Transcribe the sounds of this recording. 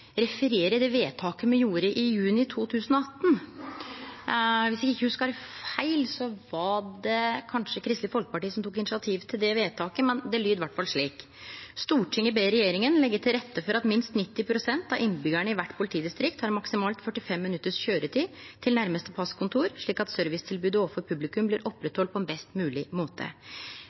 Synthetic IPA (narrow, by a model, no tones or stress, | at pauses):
ɾɛfəɾeːɾəd̪ɛʋeːt̪ʰɑːkəmɛjuːɾəʔɪjʉːnɪt̪ʰuːt̪ʰʉːsənɔɑt̪ːn̩ | ʋɪsɛɡɪçːəhʉskɑɑːɾəfæɪlsɔʋɑɖɛkʰɑnʂəkʰɾɪst̪ləfɔlkə̥pɑʈiːəsɔmt̪ʰuːk̬ɪnɪsɪɑt̪ʰiːʋt̪ʰɪld̪ɛʋeːt̪ʰɑːkəmɛnd̪ɛlyːd̪ʋæʈːfɑlʂɭiːk | st̪uːʈʰɪŋəbeɪɾɛjeːɾɪŋənlɛɡːəʈʰɪlɾɛt̪ːəfɔɾɑt̪mɪnst̪nɪt̪ːɪpʰɾʊsɛnt̪ɑʔɪnbʏɡæɳəɪʋæʈːpʰʊlɪt̪ʰiːd̪ɪst̪ɾɪkt̪hɑɾmɑksɪmɑːlt̪fœʈːɪfɛmːɪnʉt̪ːəʂçøːɾəʈiːt̪ʰɪlnæɾməst̪əpʰɑskʰʊnt̪ʰuːɾʂɭiːkɑt̪sœɾʋɪst̪ʰɪlbʉːd̪əofɔɾpʰʉblɪkʉmblɪːɾʔɔpːɾɛt̪hɔlt̪̚pʰɔɛnbɛst̪mʉːlɪmoːt̪ʰə̰